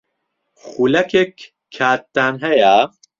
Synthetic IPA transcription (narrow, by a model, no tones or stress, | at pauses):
xuːlɛkʰekʰː | aːt̪̚ːaːnɦɐja